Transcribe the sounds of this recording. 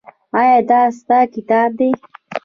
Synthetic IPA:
ajɑd̪ɑst̪akɪt̪ɑːb̚d̪e

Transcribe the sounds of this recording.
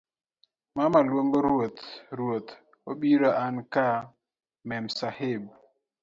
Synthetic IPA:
mamalwoŋɡoɾot̪ɾwot̪ | obiɾɔʔanka | mɛmsaheb

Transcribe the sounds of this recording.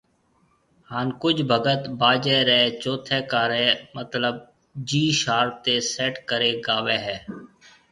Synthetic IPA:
haːnkʊd͡ʒbʱəɡət̪baːd͡ʒɛːɾɛːt͡ʃoːt̪ʰɛːkaːɾɛːmət̪ləb̚ | d͡ʒiːʃaːɾt̪eːsɛːʈkəɾeːɡaːʋɛːɦɛː

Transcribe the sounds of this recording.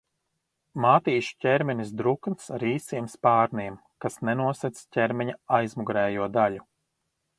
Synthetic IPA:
maːt̪iːʃcʲɛɾmʲɛnʲis̬d̪ɾuknsɾiːsiɛmspaːɾniɛm | kasnɛnuɔsɛt̪scʲɛɾmʲɛɲaajzmuɡɾɛːjuɔd̪aʎu

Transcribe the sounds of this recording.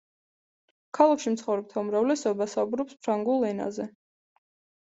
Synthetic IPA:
kʰalˠakʃimt̪sχɔvɾɛp̚t̪ʰaumɾavlɛsɔbasaubɾɔpspʰɾaŋɡulˠɛna̰zɛ

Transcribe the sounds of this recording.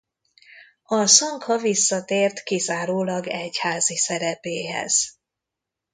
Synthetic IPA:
ɒsɒŋkhɒvisːɒt̪eːrt̪kizaːɾoːlɒɡɛchaːzisɛɾɛpeːɦɛ̰z̥

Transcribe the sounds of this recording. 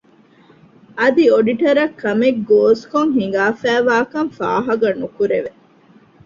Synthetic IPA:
ɐd̪ioɖiʈɐɾɐkːɐmeɡɡoːskoŋɦiŋ̆ɡaːfæːʋaːkɐŋfa̰ːɦɐɡɐnukuɾeʋe

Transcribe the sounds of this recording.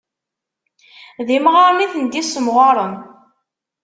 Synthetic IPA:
ðimʁaɾˤniθənd̪isəmʁɑɾˤən

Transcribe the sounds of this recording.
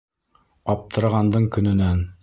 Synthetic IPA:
ɒp̚t̪ʰɤ̆ɾʁɑnd̪ɤɴkɵ̆nɵ̆næn

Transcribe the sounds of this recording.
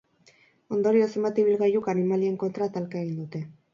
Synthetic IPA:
o̞nd̪o̞ɾio̞se̞mat̪iβilɣajukanimalie̞ŋko̞nt̪ɾat̪alkae̞ɣind̪ut̪e̞

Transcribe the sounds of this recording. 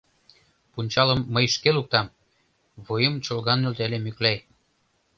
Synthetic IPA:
punʲt͡ɕɑlə̆mːəjʃkeluk̚t̪ɑm | βojəmt͡ɕŏlɣɑnylt̪elemyklæj

